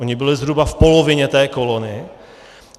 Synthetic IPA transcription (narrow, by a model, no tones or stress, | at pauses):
oɲɪbɪlɪzɦɾubafpo̞lovɪɲɛt̪ɛːko̞lonɪ